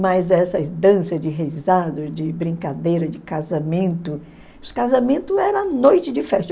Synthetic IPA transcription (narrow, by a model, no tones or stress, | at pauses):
mɐjzɛsɐd̪ɐ̃sɐd͡ʒɪɦejzad̪ʊd͡ʒɪbɾĩkad̪ejɾɐd͡ʒɪkazamẽnt̪ʊ | ʊskazamẽnt̪ʊɛɾɐ̃nojt͡ʃɪd͡ʒɪfɛʃt̪